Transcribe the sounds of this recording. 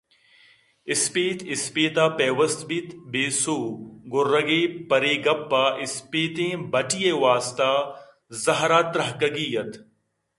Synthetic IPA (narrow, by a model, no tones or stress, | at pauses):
ɪspeːt̪ʰɪspeːt̪aːpeːʋɐst̪bit̪beːsoːɡʊrɐɡeːpɐɾeːɡɐpːaːʔɪspeːt̪ẽːbɐʈijeːʋaːst̪aː | zɐɦɾaːt̪ɾɐɦkɐɡiːjɐt̪